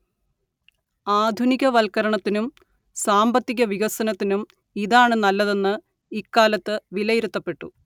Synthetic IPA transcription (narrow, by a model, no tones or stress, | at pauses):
aːd̪ʱuniɣɐʋɐlkɐɾɐɳɐt̪ːinum | saːmbɐt̪ːiɣɐʋiɣɐsɐnɐt̪ːinum | iðaːɳɨnɐlːɐðe̞nːɨ | ikːaːlɐt̪ːɨʋilɐjiɾut̪ːɐpːe̞ʈːṵ